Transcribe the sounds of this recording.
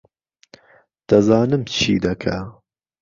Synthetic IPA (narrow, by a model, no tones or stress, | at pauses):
d̪̥ɐzɑːnɨmt͡ʃʰḭːd̪ɐkʰa